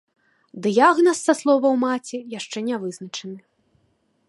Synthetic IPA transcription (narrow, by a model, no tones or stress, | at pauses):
d̪ɨjaɣnɐsːɐslˠɔvɐwmat͡sʲijaʂt͡ʂɛnʲavɨznɐt͡ʂɐnɨ